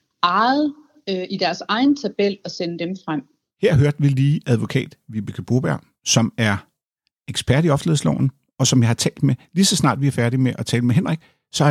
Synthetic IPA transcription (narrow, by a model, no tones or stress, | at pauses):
ɑð̩ˠ | øʔid̥æɐsɑ̈ɪnət͡sʰæb̥el̰ɒsenəd̥emfʁam̰ | heɐ̰ɦøɐd̥ʋiliːʔæðˠʋo̝kʰɛ̰ːd̥ʋib̥əkʰəb̥o̝ːb̥æɐ̰ | sɒ̽mæɐ | eɡ̥sb̥æɐd̥iɒ̽fle̝ðˠslɒ̰ʊ̰n̩ | ɒ̽sɒ̽mjɑ̈hɑ̈t͡sʰɛ̰ːld̥melisɒ̽snɑ̰̈ːd̥ʋiæɐfæɐɾimeʔɒ̽t͡sʰɛːləmeɦen̰ʁɛɡ̥ | sɒ̽